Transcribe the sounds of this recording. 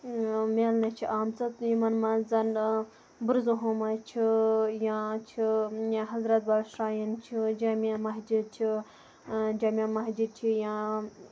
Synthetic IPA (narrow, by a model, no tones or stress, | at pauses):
meːlnɐt͡ʃʰiʔaːmt͡sɐt̪jimɐnmɐzɐn | buɾzuɦomat͡ʃʰijãt͡ʃʰijãɦɐzɾɐt̪̚bɐɾʃɾaːjint͡ʃʰid͡ʒaːmamɐɦd͡ʒit͡ʃʰi | d͡ʒaːmiamɐɦd͡ʒit͡ʃʰijãː